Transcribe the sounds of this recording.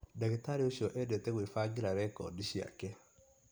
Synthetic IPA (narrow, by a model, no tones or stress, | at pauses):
daɣetaɾioʃiɔʔɛdɛtɛɣwefaɡiɾaɾɛkɔ̰diʃia̰kɛ